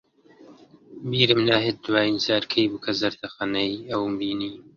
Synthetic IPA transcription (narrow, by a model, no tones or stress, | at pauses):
biːɾɨmnaːɦet̪̚d̪waːjinsaːɾkʰejbukʰɐzɐɾt̪ʰɐxanɐiɐwmbiːniː